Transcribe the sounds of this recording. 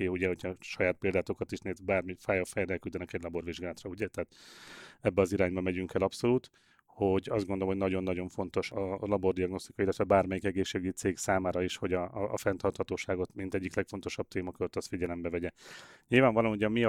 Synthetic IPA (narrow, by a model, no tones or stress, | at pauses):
euɟɛɦo̞cʰhɒʃɒjaːt̪̚peːld̪aːt̪okɒt̪iʃneːt̪baːrmifaːjɒfɛjɛɾɛlkyld̪ɛnɛkɛɟlɒbo̞ɾviʒɡaːlɔt̪rɒuɟɛt̪ɛɦːt̪ | ɛbːɛɒziɾaːɲbɒmɛɟyŋkɛlɒpso̞luːt̪ | ho̞ɟɒzɡond̪olmɦonɒɟo̞nːɒɟo̞ɱfo̞nt̪o̞ʃɒlɒbo̞rd̪iɒɡno̞st̪ikɒilːɛt̪ʋɛbaːrmɛjikɛɡeːʃːeːɡyɟt̪seːɡsaːmaːɾɒiːʃho̞ɟɒːfɛnt̪ɒrt̪hɒt̪oːʃaːɡo̞t̪mint̪ɛɟːiklɛkfo̞nt̪o̞ʃɒb̚t̪eːmɒkøɾøt̪ɒst̪fiɟɛlɛmbɛvɛɟɛɲilvaːɱvɒlomuɟɒmi